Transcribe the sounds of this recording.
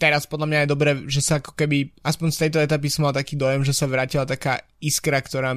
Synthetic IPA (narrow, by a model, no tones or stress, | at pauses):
t̪ɛɾaspɔd̪lamɲajɛd̪ɔbɾɛːʒɛsaakɔ̥kɛbiaspɔɲst̪ɛjt̪ɔɛt̪ap̬isɔmalt̪akiːd̪ɔjɛmʒɛsaʋɾaːcilat̪aka̰ː | iskɾakt̪ɔɾaː